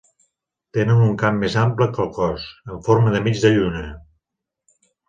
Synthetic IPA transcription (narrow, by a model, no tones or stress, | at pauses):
t̪enənuŋkamːezampləkəlˠkɔsəɱfoɾməðəmid͡ʒðəʎunə